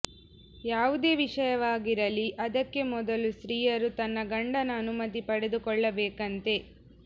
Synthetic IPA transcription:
jaːʋud̪e̞ːʋiʂɐjɐʋaːɡiɾɐliʔɐd̪ɐkːe̞mɔd̪ɐlusɾiːjɐɾut̪ɐnːɐɡɐɳɖɐnɐːnumɐt̪ipɐɽe̞d̪ukɔɭːɐbɛːkɐnt̪e̞

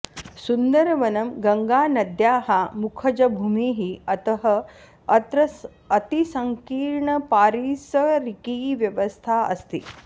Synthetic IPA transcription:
sund̪ɐɾɐʋɐnɐmɡɐŋɡaːnɐd̪jaːɦamukʰɐd͡ʒɐbʱuːmiːɦiɐt̪ɐɦɐ | t̪ɾɐː | t̪isɐŋkiːɾɳɐpaːɾiːsɐɾikiːʋjɐʋɐst̪ʰaːɐ̰st̪ḭ

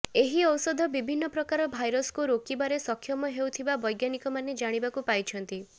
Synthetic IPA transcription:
eɦiɔwsɔd̪ʱɔbibʱinːɔpɾɔkaɾɔbʱajɾɔskuɾokibaɾesɔkʰːjɔmɔɦewt̪ʰibabɔjɡjanikɔmaned͡ʒaɽ̃ibakupajt͡ʃʰɔnt̪i

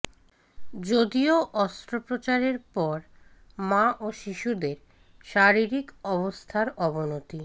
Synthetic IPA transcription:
d͡ʑod̪ioʔɔst̪ɾopɾot͡ɕaɾeɾpɔɾ | maʔoʃiʃud̪eɾ | ʃaɾiɾikɔβost̪ʰaɾɔbonot̪i

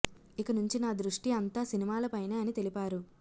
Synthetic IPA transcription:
ikɐnuɲt͡ʃinaːd̪ɾuʂʈiɐnt̪aːsinimaːlɐpɐjneːɐnit̪e̞lipaːɾu

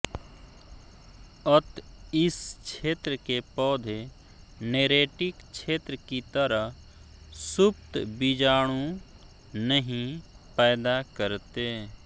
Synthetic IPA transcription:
ət̪ɪst͡ʃʰeːt̪ɾəkepɔːd̪ʱe | neːɾeːʈɪkt͡ʃʰeːt̪ɾəkit̪əɾəɦ | sʊpt̪bid͡ʒaːɽ̃ũ | nəɦĩ | pɛːd̪akəɾt̪eː

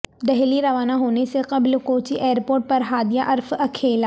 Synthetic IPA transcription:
d̪ɛɦliɾɐʋaːnaɦoːneseqɐblkoːt͡ʃiʔeːɾpoːɾʈ̚pɐɾɦaːd̪ijaʔɐɾfɐkʰeːla

